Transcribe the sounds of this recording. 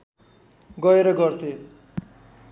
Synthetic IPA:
ɡʌeɾʌɡʌrt̪ʰe

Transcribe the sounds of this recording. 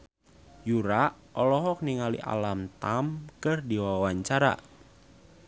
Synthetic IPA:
juɾaʔ | ɔlɔɦɔk̚niŋalḭʔa̰lamt̪amkɨrdiwawaɲt͡ʃaɾa̰

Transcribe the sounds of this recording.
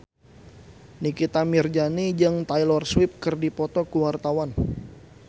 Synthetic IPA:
nikit̪amird͡ʒanid͡ʒɨŋt̪ajlɔrswɪp̚kɨrdipɔt̪ɔkuwart̪awan

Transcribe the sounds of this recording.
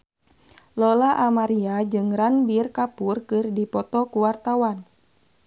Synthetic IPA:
lɔlaʔamaɾiad͡ʒɨŋɾanbirkapurkɨrdipɔt̪ɔkuwart̪awan

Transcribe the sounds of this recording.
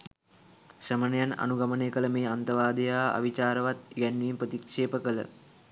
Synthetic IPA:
səmənejana̰nuɡaməneːkələmeːant̪əʋaːd̪ejaːa̰ʋit͡ʃaːɾəʋat̪̚ɡænːʋimpɾət̪ikʂeːpəkələ̰

